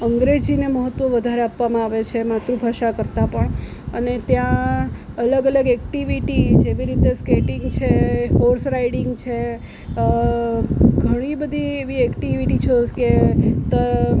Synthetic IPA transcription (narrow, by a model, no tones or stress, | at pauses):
əŋɡɾed͡ʒineməɦət̪ːʋəʋəd̪ʱaɾeapʋamãaʋet͡ʃʰemat̪ɾũbʱaʃakəɾt̪apəɳ | ənet̪jã | ələɡələɡɛkʈiʋiʈid͡ʒeʋiɾit̪eskeʈiŋɡt͡ʃʰehoɾsɾaiɽiŋɡt͡ʃʰe | ɡʱəɽ̃ibəd̪ʱieʋiɛkʈiʋiʈit͡ʃʰeket̪ə